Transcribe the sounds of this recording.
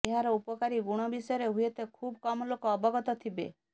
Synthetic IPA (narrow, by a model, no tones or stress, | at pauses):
eɦaɾɔupɔkaɾiɡuɽ̃ɔbisɔjɔɾeɦujet̪ekʰubkɔmɔlokɔːbɔɡɔt̪ɔt̪ʰibḛ